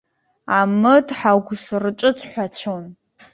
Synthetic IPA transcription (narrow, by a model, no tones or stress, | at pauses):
amɨdħaɡʷsrɨt͡ʃʼɨt͡sʷʰʼħʷat͡ʃʰon